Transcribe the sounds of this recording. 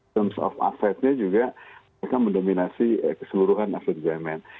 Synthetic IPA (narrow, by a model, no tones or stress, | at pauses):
əmsɔ̰fa̰fɛt̪̚ɲad͡ʒuɡa | ekanməndominasiəkə̥səluɾuɦanafɛt̪̚zamɛn